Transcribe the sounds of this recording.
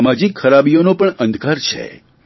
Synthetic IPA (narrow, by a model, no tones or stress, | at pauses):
mad͡ʒikʰxəɾabijonopəɳə̃nd̪ʱkaɾt͡ʃʰḛ